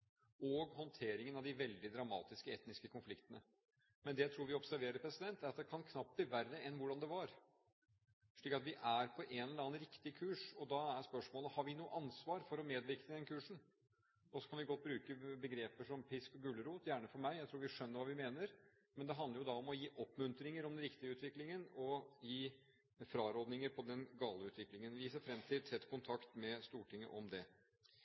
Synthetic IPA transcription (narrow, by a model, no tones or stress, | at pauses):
ɔɡhɔnt̪ʰeːɾɪŋənɑʋd̪ɪʋɛld̪ɪd̪ɾɑmɑ̰ːt̪ɪskəɛt̪nɪskəkʰʊnflɪkt̪ənə | mɛnd̪ɛjæɪt̪ʰɾuːɾʋɪɔpsæɾʋeːɾəɾpʰɾɛsɪd̪ɛnt̪æɾɑt̪̚d̪ɛkʰɑnkʰnɑp̚t̪̚bliʋærːəɛnːʋʊɖɑnd̪ɛʋɑɾ | ʂɭiːkɑt̪ʋɪʔæɾpʰɔʔenɛlɛlɑːənɾɪkt̪ɪkʰʉːʂɔd̪ɑæɾspœʂmoːləhɑɾʋɪnuːə̰ʔɑnsʋɑːɾfɔɾɔmeːd̪ʋɪkt̪əd̪ɛnkʰʉːʂɳn̩ | ɔsɔkʰɑnʋɪɡɔt̪̚ːbɾʉːkəbəɡɾeːpəʂɔmpʰɪskɔɡʉːlːəɾuːt̪jæːɳəfɔɾmæɪjæɪt̪ɾuːʋɪʂœnːəɾʋɑːʋɪmeːnəɾ | mɛnd̪ɛɦɑnd̪əɾjʊd̪ɑɔmɔjiːʔɔpːmʉnt̪ɾɪŋəɾɔmd̪ɛnɾɪkt̪ɪəʉːt̪ʋɪklɪŋənɔjiː | fɾɑːɾoːd̪nɪŋəɾpʰɔd̪ɛnɡɑːləʉːt̪ʋɪklɪŋənʋɪseːɾfɾɛmt̪ʰɪlsɛt̪ːkʰʊnt̪ʰɑkt̪mɛst̪uːʈɪŋːə̰ʔɔmd̪ɛ